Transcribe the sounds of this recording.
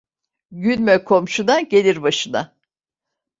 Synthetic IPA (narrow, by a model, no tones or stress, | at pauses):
ɟynmɛkʰo̞mʃunaɟe̞lʲiɾbaʃɯna̰